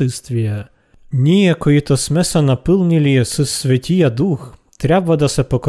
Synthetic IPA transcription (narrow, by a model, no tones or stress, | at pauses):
ɪst̪ʋʲijɐ | nʲijɐkɔjit̪ɔsmɛsɐnɐpɪlˠnʲilʲisɪsʋʲɐtʲʰijɐd̪uxt̪ɾʲabʋɐd̪ɐsɛpɔkɔ